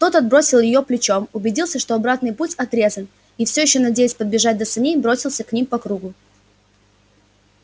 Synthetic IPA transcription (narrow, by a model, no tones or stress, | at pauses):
t̪o̞t̪ɐd̪̚bɾo̞sʲɪlˠjɪjoplʲɪt͡ɕomʊbʲɪdʲilˠsʲəʂt̪o̞ɐbɾat̪nɨjputʲɐt̪ɾʲe̞zən | ifsʲojɪɕːonɐdʲejɪsʲpəd̪̚bʲɪʐat̚ʲd̪əsɨnʲejbɾo̞sʲɪlˠsʲəknʲimpɐkɾuɡʊ